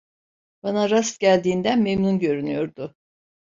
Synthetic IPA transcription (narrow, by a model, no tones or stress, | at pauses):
b̥anaɾast̪ɟælʲd̪iːnd̪ænmemnunɟø̞ɾynyjo̞ɾd̪ʊ